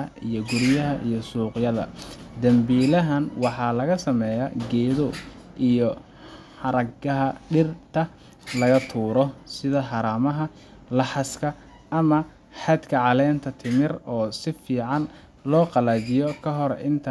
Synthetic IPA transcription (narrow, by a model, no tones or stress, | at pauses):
ɐijɔɡʊɾjɐɦɐʔijɞsuːqjɐðɐ̰d̪ɐmbiːlɐɦɐnwɑħɑːlɐɣɐsɐmɛjaɡɛːðɔ | ʔijɔ | ħɑɾɐɡɐɦɐɖɪrt̪ʰɐ | lɐɣɐt̪ʰuːɾɔsɪðɐħɑɾaːmɐɦɐ | lɑħɑskʰɐ | ʔɐmɐ | ħɑd̪kʰɐʕɑlɛːnt̪ʰɐt̪ʰɪmɪrɔːsɪfiːʕɑn | lɔːqɑlaːd͡ʒɪjɔkʰɐɦɔɾʔɪnt̪ʰɐ